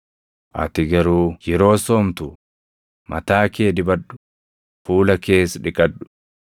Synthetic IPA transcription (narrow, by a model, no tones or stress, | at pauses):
ʔɐ̰t̪ɪɡɐɾuːjɛɾo̞ːsoːmt̪ʊ | mʔɐ̰t̪aːkeːd̪ɪbɐᶑːʊ̥ | fuːlɐke̞ːsᶑɪkʼɐᶑːʊ̥